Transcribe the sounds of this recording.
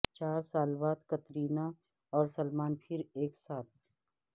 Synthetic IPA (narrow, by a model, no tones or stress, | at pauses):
t͡ʃaːɾsaːlbaːd̪kɐt̪ɾiːna | ɔːɾsɐlmaːnpʰɪɾeːksaːt̪̚ʰ